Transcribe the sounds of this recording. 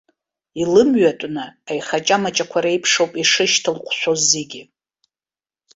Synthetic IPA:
ilɨmɥatʷʼnɨajχat͡ʃʼamat͡ʃʼakʷʰaɾejpʰʂowpʼiʂɨʃtʰɨlqʷʰʃʷozːeɡʲɪ

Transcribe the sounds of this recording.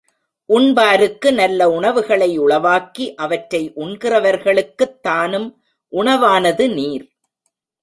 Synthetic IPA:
ʔʊɳbaːɾɯkːɯnɐlːɐʊɳɐʋɯɣɐɭɐɪʊɭɐʋaːkiʔɐʋɐʈɾɐɪʔʊɳkɪrɐʋɐɾɣɐɭɯkːɯt̪ːaːnɯm | ʔʊɳɐʋaːnɐðɯniːɾ

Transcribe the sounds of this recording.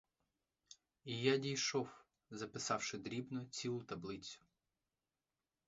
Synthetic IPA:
ijadʲijʃɔw | zɐpɪsɑwʃɪd̪ɾʲibnɔt͡sʲilˠʊt̪ɐblˠɪt͡sʲʊ̥

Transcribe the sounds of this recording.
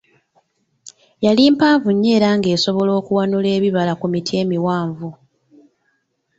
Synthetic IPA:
jaliːmpaːɱvuɲːe̞ːɾaŋɡe̞ːso̞βo̞lo̞ːkuwanule̞ːβiβalakumitʰie̞ːmiwaːɱvu

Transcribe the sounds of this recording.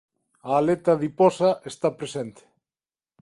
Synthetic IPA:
aːlet̪aðipɔsaʔest̪apɾesent̪e̥

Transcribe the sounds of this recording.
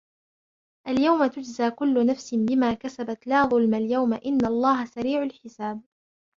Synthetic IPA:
ʔaljawmat̪ʊd͡ʒzaːkʊlːʊnafsɪnbɪmaːkasabat̪laːðˤʊlmaljawmaʔɪnːaɑlˤːɑːɦasaɾiːʕʊlħɪsaːb̚

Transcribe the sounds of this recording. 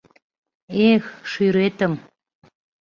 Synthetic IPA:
exʃyɾet̪əm

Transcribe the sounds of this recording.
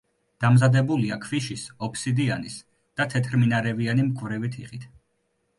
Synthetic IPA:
d̪̥amzad̪ɛbuliakʰviʃisɔpʰsid̪ianis | d̪̥at̪ʰɛt̪ʰɾminaɾɛvianimkʼvɾɛvit̪ʰiχit̪ʰ

